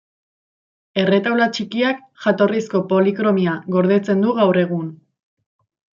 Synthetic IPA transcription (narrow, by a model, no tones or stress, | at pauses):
e̞re̞t̪awlat͡ʃikiak | ʝat̪o̞risko̞po̞likɾo̞miaɣo̞ɾð̞e̞t͡se̞nd̪uɣawre̞ɣ̞un